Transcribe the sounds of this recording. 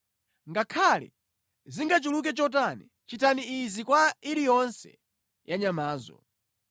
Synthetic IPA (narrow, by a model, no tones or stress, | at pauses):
ŋɡakʰalɛ̰ | ziŋɡat͡ʃuluk̬ɛt͡ʃɔt̬ani | t͡ʃitʰaniːzikwaiɾijɔnsɛ̰ | jaɲamaːzɔ̰